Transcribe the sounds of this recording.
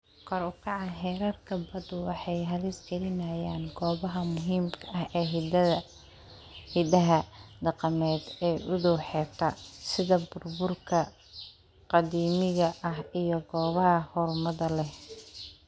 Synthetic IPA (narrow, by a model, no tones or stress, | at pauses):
kʰɔɾʊkʰɑʕɑɦɛːɾɐrkʰɐbɐd̪ʊwɑħɑjɦɐlɪsɡɐlɪnaːjaːnɡɔːβɐɦɐmʊɦiːmkʰɐʔɐhɛːɦɪd̪ɐðɐ | hɪd̪ɐɦɐd̪ɐqɐmɛːd̪ɛːʔʊðɔːħɛːt̪ʰɐsɪðɐbʊrbʊrkʰɐ | qɑðiːmɪɣɐʔɐɦijɞɡɔːβɐɦɐhɔɾʊmɐðɐlɛh